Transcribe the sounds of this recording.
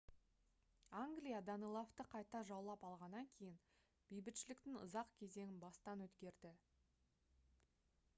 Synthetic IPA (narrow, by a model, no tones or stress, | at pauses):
aŋɡlijad̪anijlˠoft̪əqʰɑjt̪ɑʒɑwlˠɑpɑlˠʁɑnːɑŋkʲʰe̞jɪn | b̥ejbɪt̪ʃɪlɪkt̪ɪŋʊ̰zɑqkʲʰe̞ze̞ŋʲɪnbɑst̪ɑnwɵt̪kʲe̞ɾd̪ɪ